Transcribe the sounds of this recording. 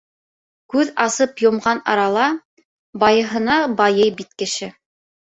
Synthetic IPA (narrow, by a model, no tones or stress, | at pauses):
kʉðɑsɤpjŏmʁɑnɑ̰ɾɑlˠɑ | bɑjɤ̆ɦɤ̆nɑbɑjɤjbit̪kɘ̆ʃɘ